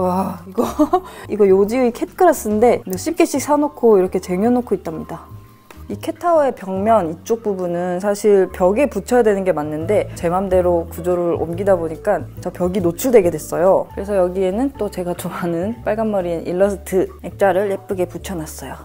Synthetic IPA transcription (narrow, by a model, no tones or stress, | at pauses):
waiɡʌiɡʌjod͡ʑiuikʰe̞t̚ʰk͈ʰɯɾas͈ɯnde̞oɕ͈ʰip̚k͈e̞ɕ͈ik̚s͈ʰanokʰoiɾʌkʰe̞t͡ɕe̞ŋjʌnokʰoit̚t͈amɲida | ikʰe̞tʰaoe̞pjʌŋmjʌnit͡ɕ͈ok̚p͈ubunɯnsʰaɕʰiɭpjʌɡe̞put͡ɕʰʌjadwe̞nɯnɡe̞manːɯnde̞t͡ɕe̞mamde̞ɾokud͡ʑoɾɯɾo̰mɡidaboɲik͈ant͡ɕʌpjʌɡinot͡ɕʰuɭdwe̞ɡe̞dwe̞s͈ʌjokɯɾe̞sʰʌjʌɡie̞nɯnt͈ot͡ɕe̞ɡat͡ɕoanɯnp͈aɭɡanːʌɾinʔḭɭːʌsʰɯtʰɯek̚t͡ɕ͈aɾɯɭep͈ɯɡe̞put͡ɕʰʌnas͈ʌjo